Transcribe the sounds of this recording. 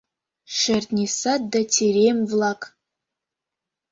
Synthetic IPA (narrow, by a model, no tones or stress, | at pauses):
ʂɐrtʼnʲisat̚datʰeɾemvlakʼ